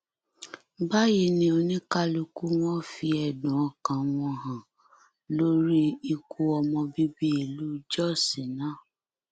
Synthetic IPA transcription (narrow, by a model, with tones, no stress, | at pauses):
ba˦ji˧˦nĩ˧o˧nĩ˦ka˦lu˧ku˦w̃ɔ̃˦fi˧ɛ˨dũ˨˦ɔ˨kã˨˧w̃ɔ̃˧ɦã˨ | lo˦ɾi˦i˧ku˧ɔ˧mɔ̃˧bi˦bi˦e˨lu˦d͡ʒɔ˦˨sĩ˨nã˦˨